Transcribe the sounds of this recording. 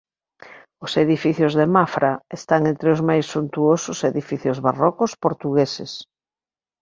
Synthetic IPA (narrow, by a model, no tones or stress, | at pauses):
ʊseðifiθjozðemafɾaest̪aŋẽnt̪ɾeozmajsːunt̪uosʊseðifiθjozβarɔkʊspoɾt̪uɣeses